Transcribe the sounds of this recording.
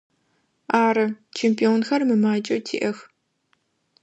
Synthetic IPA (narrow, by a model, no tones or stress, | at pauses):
aːɾɐt͡ʃʰempʰʼioːnxɐrmɨmaːt͡ʃʼɐtʰḭːʔɐx